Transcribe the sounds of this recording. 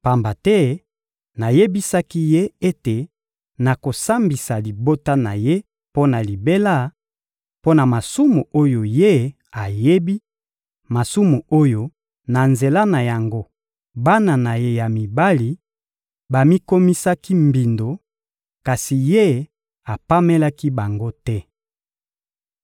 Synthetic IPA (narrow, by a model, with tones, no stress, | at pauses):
pa˨mba˨tɛ˦ | na˨je˦bi˦sa˦ki˦je˦e˦te˨ | na˨ko˨sa˦mbi˨sa˨li˨bo˦ta˦na˨je˦ | po˦na˨li˨be˦la˦˨ | po˦na˨ma˨su˦mu˨ʔo˦jo˨je˦ | a˨je˦bi˦ | ma˨su˦mu˨o˦jo˨ | na˨nze˨la˦na˨ja˨ŋɡo˦ | ba˦na˨na˨je˦ja˨mi˨ba˦li˨ | ba˨mi˦ko˦mi˦sa˦ki˦mbi˨ndo˨ | ka˨si˨je˦ | a˨pa˦me˦la˦ki˦ba˨ŋɡo˦tɛ˦